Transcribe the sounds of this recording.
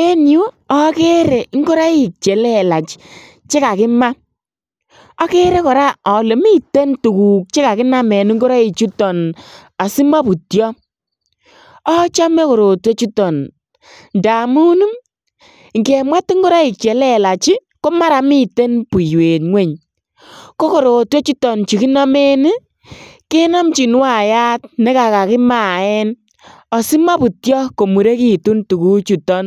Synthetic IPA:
e˦nju˦ɔ˦ke˦ɾe˨˦ŋɡo˦ɾa˦i˨k̚t͡ʃɛ˨lɛ˦˨la˨t͡ʃ | t͡ʃe˦ka˨kɪ˦ma˦ | a˦ke˦ɾe˦kɔ˨ɾa˦ɔ˨le˨mi˦te˦ntu˨ku˨k̚t͡ʃe˦ka˨kɪ˦na˦mɛ˨nu˦ŋɡo˦ɾa˦i˨t͡ʃu˦tɔ˨n | a˨si˦ma˦pu˨tjɔ˦ | ɔ˦t͡ʃa˦me˦ko˨ɾo˨twe˦t͡ʃu˦tɔ˨n | nda˨mu˦nu˦m | ŋɡe˨ma˦ti˦ŋɡo˦ɾa˦i˨k̚t͡ʃɛ˨lɛ˦la˨t͡ʃi˦ | ko˦ma˦ɾa˨mi˦˨te˦npu˨jwe˨tŋwe˦˨ɲ | ko˦ko˨ɾo˨twe˦t͡ʃu˦tɔ˨nt͡ʃi˨ki˦nɔ˦me˦ni˦ | ke˦nɔ˦mt͡ʃi˨nwa˦˨ja˦t̚ne˦ka˨ka˨kɪ˦ma˦˨ɛ˦n | ɔ˨si˦ma˦pu˨tjɔ˦ko˨mu˨ɾe˦ki˦tu˦ntu˨ku˦t͡ʃu˨tɔ˦n

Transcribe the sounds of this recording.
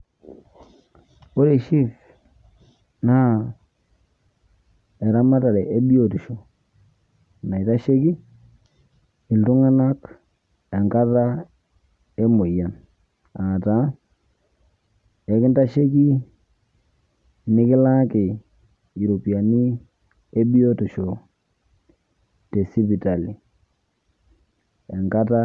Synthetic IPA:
o˦ɾe˨ʃi˦f | na˦ | ɛ˨ɾa˦ma˦ta˨ɾɛ˨ʔe˦bi˦o˨ti˨ʃo˨ | na˨i˨ta˦ʃe˦ki˦ | ɪ˨ltʊ˦ŋa˦na˦k | ɛ˨ŋka˦ta˦ | e˦mʊ˨ja˨n | a˨ta˨˦ | ɛ˨kɪ˦nta˦ʃe˦ki˦ | nɪ˦kɪ˦la˦kɪ˨ | i˨ɾo˨pi˨a˨ni˦ | e˦bi˦o˦tʊ˨ʃo˨ | te˨si˦pi˨ta˨li˨ | ɛ˨ŋka˦ta˦

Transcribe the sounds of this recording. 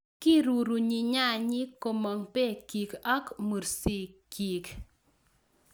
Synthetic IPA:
kɪ˦ɾu˨ɾu˨ɲi˨ɲa˦˨ɲɪ˦ko˨ma˨ŋpe˦ki˨kɔ˦kmu˨ɾsi˦˨ki˨k

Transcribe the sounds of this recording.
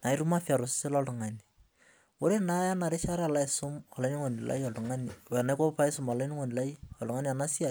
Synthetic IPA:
na˨ɪ˦ɾu˦ma˦fi˦a˨ɾo˨sɪ̥se˦lɔ˦lu˨ŋa˨ni˨ | o˦ɾe˦na˦ja˦na˨ɾe˦ʃa˦ɾa˦a˨la˦ɪ˨sʊ˦ma˨la˦ni˦ŋo˨ni˨la̰˦iɔ˨lu˨ŋa˦ni˨wɛ˨na˦ko˦pa˦ɪ˦sʊ˦ma˨la˦ni˦ŋo˨ni˨la˦i˦ɔ˨lu˨ŋa˦ni˦a˨na˦si˦a˨

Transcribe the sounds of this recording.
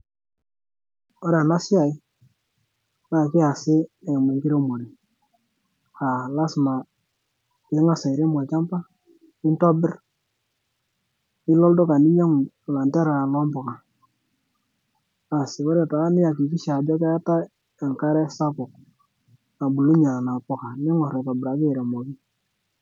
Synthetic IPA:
ɔ˦ɾa˨na˦sɪ˦a˨ɪ˦ | na˨kɪ˦a˨sɪ˦ɛ˨mɛ˨ŋkɪ˦ɾe˦mo˨ni˨ | ha˨la˦sma˨ | ɪ˨˦ŋa˦sa˨ɪ˨ɾɛ˦ma˨t͡ʃa˦mpa˦ | ɪ˦ntɔ˦bɪ˦r | ɪ˦lɔ˦ldɔ˦ka˨ni˦ɲɔ˦ŋ˨la˨ntɛ˦ɾa˨lɔ˦mbʊ˨ka˨ | a˨sɪ˨kɔ˦ɾɛ˨ta˨˦nɪ˦a˨ki˨ki˦ʃa˨d͡ʒɔ˦kɛ˦a˦ta˦ | a˨ŋka˦ɾɛ˦sa˦kʊ˨k̚ | a˨bu˨lu˦ɲa˨na˨pʊ˨ka˨˦ɲɔ˦ŋɔ˨ɾa˨ka˨bɪ˨ɾa˨kɪ˦˨ɾɛ˨mo˨ki˦

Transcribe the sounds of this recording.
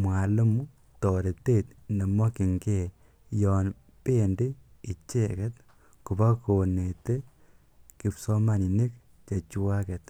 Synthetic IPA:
mwa˨lo˦mu˦ | tɔ˨ɾe˨te˦tne˨mɔ˦ki˨ŋke˦˨ | jɔː˨n | pe˦ndi˦i˨t͡ʃe˦kɛ˦t | ku˨ba˦ko˨ne˨te˦ | ki˨psɔ˦ma˨ni˨ne˦k | t͡ʃe˨t͡ʃu˦wa˦kɛ˨t

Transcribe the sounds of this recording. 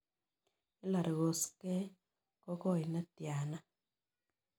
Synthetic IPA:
i˦la˨ɾɣo˨ske˦ | kɔ˦ko˦˨i˨na˦tja˨na˦

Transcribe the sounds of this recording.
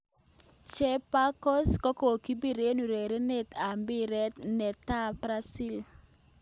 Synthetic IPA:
t͡ʃɛ˦pa˦kɔ˦skɔ˦ko˨ki˦bi˦˨ɾe˦nu˨ɾe˨ɾe˦ne˦t̪a˨mbɪ˦ɾɛ˦t̪nɛ˨t̪a˦bɾa˦si˦˨l

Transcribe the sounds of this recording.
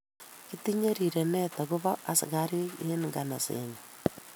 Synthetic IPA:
kitiɲe˦ɾiɾe˨ne˦taɣuβa˦ʔa˨sḭ˨ɣaɾi˦ie˦niŋɡa˨na˨sḛɲu

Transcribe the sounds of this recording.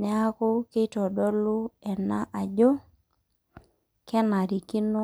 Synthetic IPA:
nɛ˦a˦kʊ˦kɪ˦tɔ˨dɔ˦lʊ˦ɛ˨na˦ʔa˨d͡ʒo˦ | kɛ˦na˨ɾi˨kɪ˦no˦

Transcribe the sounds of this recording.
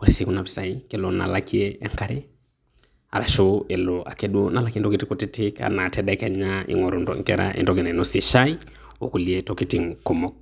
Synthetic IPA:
oɾe˦si˨ku˦na˨pi̥sa˨ikelona̰˨lakʰi˦ḛː˦ŋka˦ɾe | a˨ɾa˨ʃoe˨loa̰˨kɛdwo˦na˨lakie˦n˦tɔ˦kitikutitika̰˨na˨tɛda˦kɛ˦ɲaʔḭ˨ŋɔ˨ɾo˨ndɔ̰ŋkɛɾa̰ʔḛndɔɡe˨nɛ˨nosi˨ʃai˦ | o˨ku˨lietokitiŋko˨mɔk̚

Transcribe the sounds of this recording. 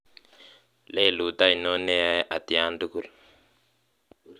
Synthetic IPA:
le˦˨lu˨t̪a˦i˨no˦nɛ˦a˦ʔa˨t̪i˨a˦ndu˦ku˦˨l

